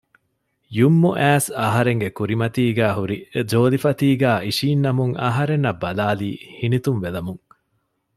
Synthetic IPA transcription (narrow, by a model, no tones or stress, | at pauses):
jumːuʔæːsɐɦɐɾeŋɡekuɾimɐt̪iːɡæːɦuɾid͡ʒoːlifɐt̪iːɡæːiʃiːnːɐmuŋɐ̰ɦɐɾenːɐbːɐlaːliːhinit̪unʋelɐmuŋ